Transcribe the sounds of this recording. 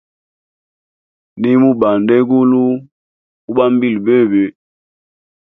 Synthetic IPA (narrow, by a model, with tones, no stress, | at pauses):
ni˦mu˦ɓa˨nde˦ɡu˦lu˦ | u˦ɓa˦m˦bi˦lbe˦˨be˨